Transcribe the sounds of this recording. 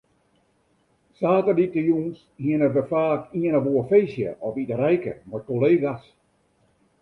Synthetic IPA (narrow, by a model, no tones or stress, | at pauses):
saːtərditəjuːns | hiənəʋəfaːkiənəʋoəfeːsjə̰ʔɔfitəɾɛjkə̰mɔt̚koleːɡas